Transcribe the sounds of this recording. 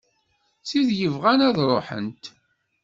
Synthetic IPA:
siðjəvʁænæðɾˤoħə̰nt̪

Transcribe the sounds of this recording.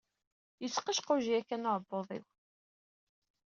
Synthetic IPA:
jət͡sːqəʃqʊʒiækːænoɾˤbːoðˤḭw

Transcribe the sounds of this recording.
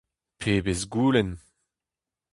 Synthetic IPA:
pʰeːbesɡuːlɛn

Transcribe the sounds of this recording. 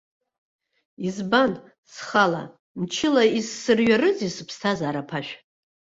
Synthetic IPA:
izban | sχala̰ | mt͡ʃʰɪlaisːɨrɥarɨzisɨpʰstʰazaːɾapʰaʃᶣ

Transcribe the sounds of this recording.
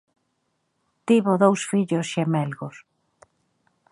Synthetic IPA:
t̪iβoðowsfiʎosʃemɛlɣos

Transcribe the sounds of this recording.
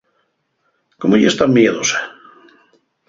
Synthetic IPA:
komoʎḛst̪amjeðose̥

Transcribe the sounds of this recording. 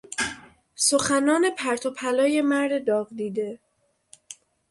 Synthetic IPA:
so̞xænɒːne̞pʰæɾt̪ʰopʰælɒːje̞mæɾd̪ed̪ɒːɣd̪iːd̪e̞

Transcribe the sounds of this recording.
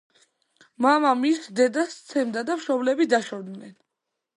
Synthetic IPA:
mamamisd̪ɛd̪ast̪sʰɛmd̪ad̪amʃɔblɛbid̪aʃɔd̪nɛn

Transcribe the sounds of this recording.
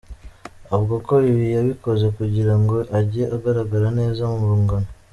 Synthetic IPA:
aβɡokoiβijaβiko̞ze̞kuɟiɾaŋɡo̞ʔaɟieʔaɡaɾaɡaɾane̞ːzamuβuːŋɡano

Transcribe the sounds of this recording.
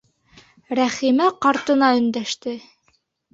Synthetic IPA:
ɾæχimæqɑɾt̪ɤ̆nɑɵ̆nd̪æʃt̪ɘ

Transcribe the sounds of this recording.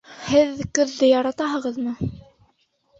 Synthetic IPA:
hɘðkɵ̆ðːɘjɑɾɑt̪ɑɦɤ̆ʁɤ̆ðmɤ

